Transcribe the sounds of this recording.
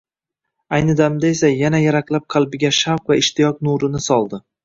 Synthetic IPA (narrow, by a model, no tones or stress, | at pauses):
ajnɪd̪amd̪ae̞sajanajaɾaklap̚qʰɑlˠbɪɡʲaʃawqvaɪʃt̪ʰɪjɒk̚nuɾɪnɪsɒlˠd̪ɪ